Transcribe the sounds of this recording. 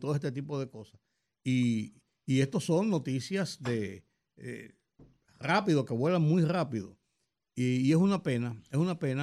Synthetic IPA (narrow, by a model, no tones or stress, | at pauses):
t̪oest̪et̪ipo̞ðe̞ko̞sas | iː | e̞st̪o̞so̞ŋnːo̞t̪isjasd̪e | ḛ | rapiðoke̞βwe̞laŋmujrapiðo̰ː | e̞sunape̞naesunape̞na